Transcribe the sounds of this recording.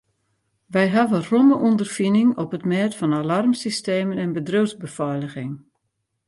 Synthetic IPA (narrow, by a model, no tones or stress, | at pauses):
ʋɛjɦavəroməʔundərfinɪŋɔpətmɛːtfɔnalarmsisteːmənɛnbədrøzbəfɔjləɣɪŋ